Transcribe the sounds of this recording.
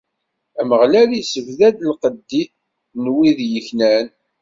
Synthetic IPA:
æməʁlælisəvðæd̪əlqəd̪ːiθ | nwiðjəçnæn

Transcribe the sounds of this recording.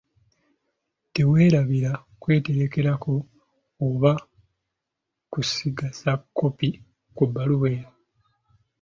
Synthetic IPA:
te̞we̞ːɾaβiɾa | kwe̞ːte̞ɾe̞ke̞ɾako̞ː | βa | kusiɡasakʰːo̞pi | kubːaluwe̞ːɾa

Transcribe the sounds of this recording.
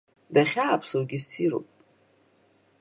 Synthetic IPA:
daχʲaːpʰsawɡʲisiɾo̰pʼ

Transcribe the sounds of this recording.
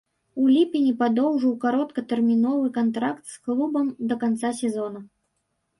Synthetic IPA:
ulʲipʲinʲipad̪ɔwʐɨwkaɾɔt̪kɐt̪ɛrmʲinɔvɨkant̪ɾakt̪sklˠubɐmd̪ɐkant̪sasʲɛzɔnɐ

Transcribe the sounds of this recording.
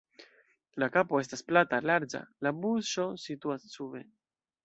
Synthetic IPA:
lakapo̞e̞s̬tasplatalaɾd͡ʒa̰labuʃo̞situast͡ʃuβe̞̰

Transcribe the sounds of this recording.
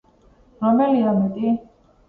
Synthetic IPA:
ɾamɛliamɛt̪ʼi

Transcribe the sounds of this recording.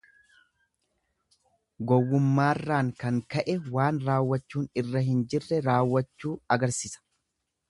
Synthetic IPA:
ɡɔwːʊmːaːrːaːŋkɐŋkɐʔɛwaːnɾaːwːɐt͡ʃːuːnɪrːɐɦɪnd͡ʒɪrːɛɾaːwːɐt͡ʃːuːɐɡɐɾsiːsɐ̥

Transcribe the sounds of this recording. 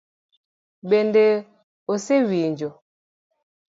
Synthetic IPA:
ɓende | osewiɲd͡ʒo

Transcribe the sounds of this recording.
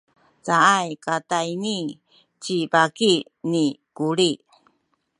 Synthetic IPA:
t͡saajkatajni | t͡ɕibaki | nikuɾi

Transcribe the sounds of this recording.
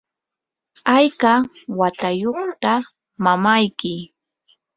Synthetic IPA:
ajkawat̪ajoχt̪a | mamajkɪ

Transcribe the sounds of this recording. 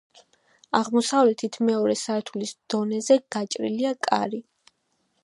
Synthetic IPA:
aʁmɔsavlɛt̪ʰit̪ʰmɛɔɾɛsaɾt̪ʰulisd̪̥ɔnɛzɛɡ̥at͡ʃʼɾḭliakʼa̰ɾi

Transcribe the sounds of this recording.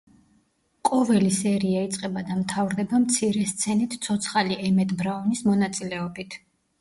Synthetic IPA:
kʼɔvɛlisɛɾiait̪sʼqʼɛbad̪amt̪ʰavɾd̪ɛbamt̪sʰiɾɛst̪sʰɛnit̪ʰsʰɔt̪sʰχaliɛmɛt̪ʼbɾaɔnismɔnat̪sʼilɛɔbit̪ʰ

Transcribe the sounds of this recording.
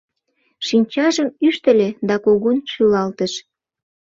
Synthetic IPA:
ʃinʲt͡ɕɑʒəmyʃt̪ə̆lʲed̪ɑkoɣunʃylɑlt̪əʃ

